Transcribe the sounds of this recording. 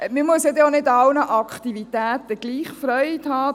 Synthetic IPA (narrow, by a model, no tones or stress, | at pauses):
məmuəsjɛdjonɪdɑlnəʔɑkʰχt̪ivitæːt̪əɡ̥liːχfɾœʏt̪hɑː